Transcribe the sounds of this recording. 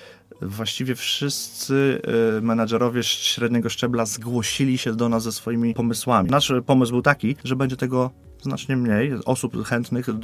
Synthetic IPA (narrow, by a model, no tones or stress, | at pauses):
vwaɕt͡ɕivʲjɛfʂɘst̪sɘmɛnaʐɛɾɔvʲjɛɕɾɛd̪ɲɛɡɔʂt͡ʂɛblazɡwɔɕilʲiɕɛd̪ɔnaszɛsfɔjimʲipɔmɘswamʲinaʂpɔmɘzbɘwt̪akʲiʐɛbɛɲd͡ʑɛt̪ɛɡɔ | zna̰t͡ʂɲɛmɲejʔɔsupxɛnt̪nɘxd̪